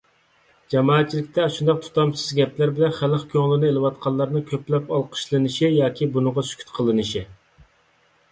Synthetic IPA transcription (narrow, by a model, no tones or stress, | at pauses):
d͡ʒɑmɑːɛt̪̚t͡ʃʰilɪkʲt̪ʰɛʃund̪ɑq̚t̪ʰu̥t̪ɑmt͡ʃʰɨzɡʲɛplæɾbɪlɛnχæləχkʲʰøŋlɪnɪelɨwɑt̪̚qʰɑlˠːɑɾnɨkʲʰøplɛpɑlˠqʰə̥ʃlˠɨnɨʃijɑːkʲʰibunɨʁɑsy̥kʲʰy̥t̪qʰəlˠɨnɨʃi